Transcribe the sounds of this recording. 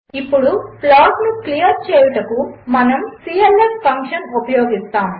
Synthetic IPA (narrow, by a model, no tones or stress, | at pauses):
ipːuɽuplaːɡnuklijɐɾt͡ʃeːjuʈɐkumɐnɐmsiːelespʰɐŋkʂɐnupɐjoːɡist̪aːm